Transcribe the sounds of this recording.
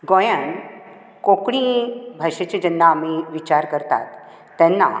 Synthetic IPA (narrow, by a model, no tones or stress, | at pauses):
ɡojən | kokɽibʱaɕet͡ɕid͡ʑənːaːmiʋit͡ɕaɾkəɾt̪a̰t̪ː | ɛ̃nːa̰